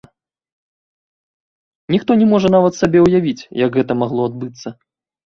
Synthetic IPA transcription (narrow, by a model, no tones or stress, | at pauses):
nʲixt̪ɔnʲɛmɔʐɐnavɐt̪sabʲɛwjavʲit͡sʲjɐɡɣɛt̪ɐmaɣlˠɔad̪̚bɨt̪sːɐ